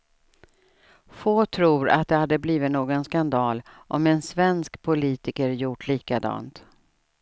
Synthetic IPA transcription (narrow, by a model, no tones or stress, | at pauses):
foːt̪ʰɾuːɾa̰t̪̚d̪ɛhad̪ːəbliːvɪt̪noːɡɔnskand̪ɑːlʔɔmɛnsvɛnskpʰʊliːt̪ɪkəɾjʊʈʰɭiːkad̪ɑ̰ːnt̪